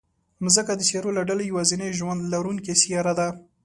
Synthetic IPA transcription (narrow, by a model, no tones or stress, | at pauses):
mzəkad̪əsɑɾolaɖalajawazinajʒwand̪laɾuŋkesijɑɾad̪a